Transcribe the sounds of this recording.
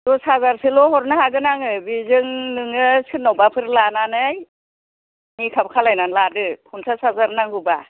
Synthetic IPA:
dɔsazaɾsɯlɔhɔɾnahaɡɯnaŋɯbizɯŋnɯŋɯsɯtnːawbapʰɯɾlananɯj | nikʰabkʰalajnanladɯkʰunsʰasazaɾnaŋhɯba

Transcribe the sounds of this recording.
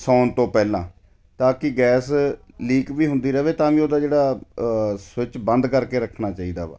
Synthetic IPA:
sɔːnt̪õːpɛːlãː | t̪ãːkɪɡɛːs | liːkʋiːɦʊ̃nd̪iːɾəʋeːt̪ãːʋĩːoːd̪aːd͡ʒeːɽaː | sʋɪt͡ʃbə̃nd̪kəɾkeːɾəkʰɳaːt͡ʃaːiːd̪a̰ːʋa̰ː

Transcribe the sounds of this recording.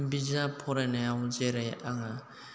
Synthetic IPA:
bizapʰɔɾanaawzeɾejaŋa

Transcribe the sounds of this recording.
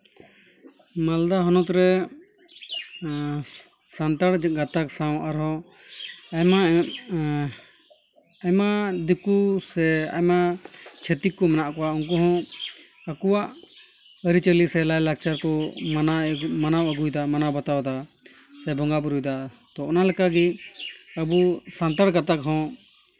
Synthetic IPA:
mald̪aɦɔnɔt̪ɾɛ | sant̪aɽɡat̪aksaw̃ʔaɾɦɔ̃ | ajma | ajmad̪ukusɛa̰jmat͡ʃʰet̪ikːɔmɛnaʔkɔwauŋk̬ɔɦɔ̃ | əkɔwaʔ | əɾit͡ʃəlisɛlajlakt͡ʃaɾkɔmanamanawəɡujd̪amanabat̪awd̪a | sɛbɔŋɡabuɾujd̪a | t̪ɔɔnalɛkaɡi | əbusant̪aɽɡat̪akɦɔ̃

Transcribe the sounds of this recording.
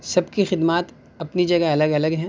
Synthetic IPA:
sɐbkixɪd̪maːt̪ | ɐpnid͡ʒɐɡaɐləɡɐləɡɦɛ̃ː

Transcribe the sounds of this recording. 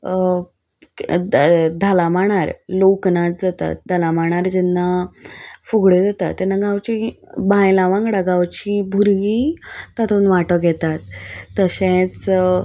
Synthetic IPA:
d̪ʱalamaɳ̃aɾloknat͡sd͡zat̪a̰t̪̚d̪ʱalamaɽ̃aɾd͡ʑɛnːa | fuɡɽed͡zat̪at̪ːɛnːaɡãwt͡ɕibãjlaʋãŋkɽaɡawt͡ɕibʱuɾɡit̪at̪ʰunʋaʈəɡʱɛt̪at̪̚ːəɕẽt͡s

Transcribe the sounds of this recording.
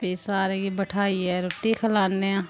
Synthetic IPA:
peːsaːɾeɡibəʈʰaːiɦɛːɾʊt̪ikʰəlaːneãː

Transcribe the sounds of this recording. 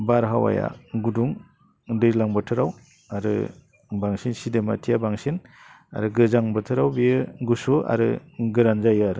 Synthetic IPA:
baɾɦawa̰ja̰ɡuduŋ | dɯzlaŋbɯtʰɯɾaw | aɾɯ̰ | baŋsinsidematʰijabaŋsin | a̰ɾɯɡɯzaŋbɯtʰɯɾawbijɯɡusua̰ɾɯ̰ɡɯɾanzajɯaɾɯ

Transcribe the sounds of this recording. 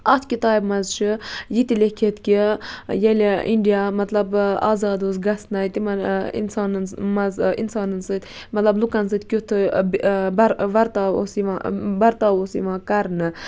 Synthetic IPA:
ɐt̪ʰkit̪aːibmɐzʃɨjit̪ilekʲʰet̪kʲijeliɳɖijamɐt̪lɐba̰ːzɑːd̪osɡɐst̪nɐjt̪imɐnḭnsaːnmɐzḭnsaːnɨnsɨt̪ | mɐt̪lɐblukɐns̬ɨt̪kʲut̪ʰɨ | bɾʋɐɾt̪aːo̰siʋabɐɾt̪aːosḭʋãːkɐɾnɨ

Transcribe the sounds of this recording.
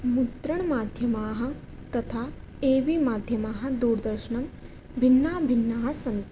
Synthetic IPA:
mut̪ɾɐɳmaːd̪ʱjɐmaːɦɐ̆ | t̪ɐt̪ʰaː | eːʋimaːd̪ʱjɐmaːɦɐ̆d̪uːɾd̪ɐɾʃɐɳɐm | bʱinːaːbʱinːaːɦɐsɐnt̪

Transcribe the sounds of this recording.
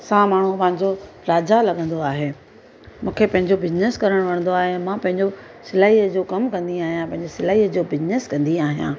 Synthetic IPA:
sãːmaːɳ̤upɐ̃ɦɪ̃ɲd͡ʑo | ɾaːd͡ʑalɐɠə̃nd̪oaːɦeː | mũːkʰepɐ̃ɦɪ̃ɲd͡ʑobɪzneskɐɾəɽ̃ʋɐɽ̃nd̪oaːɦeɛ̃mãpɐ̃ɦɪ̃ɲd͡ʑo | sɪlaːɦiːəd͡ʑoːkɐmkɐ̃nd̪iaːɦijãpɐ̃ɦɪ̃ɲd͡ʑesɪlaːɦiːəd͡ʑoːbɪzneskɐ̃nd̪iaːɦijã̰ː

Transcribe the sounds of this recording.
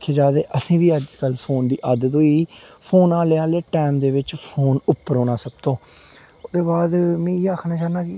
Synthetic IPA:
kʰːeːd͡ʒaːd̪eːʔəsĩːʋiːəd͡ʒkəlpʰoːnd̪iːʔəd̪d̪oːiːpʰoːnaːleːaːleːʈɛːmd̪eːʋɪt͡ʃpʰoːnʊpːəɾɦoːnaːsək̚t̪õː | ʊd̪eːbaːd̪mɛ̃ːaːkʰnaːt͡ʃaːnaːki

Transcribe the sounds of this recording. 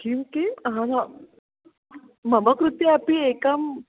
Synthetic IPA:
kiwkiɦãna | məməkɾut̪iapiekam

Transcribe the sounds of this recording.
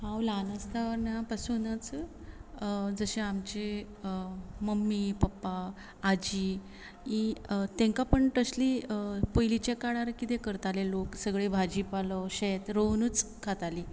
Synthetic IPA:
ɦãwlanast̪aʋəɾnãpasunət͡s | d͡zəɕẽamt͡ɕe | məmːipəpːaː | d͡ʑi | it̪ẽŋkapəɳʈəɕlipəjlit͡ɕekaɽaɾkit̪ekəɾt̪aleloksəɡɭebʱad͡ʑipalɔɕet̪ɾownut͡skʰat̪aliː

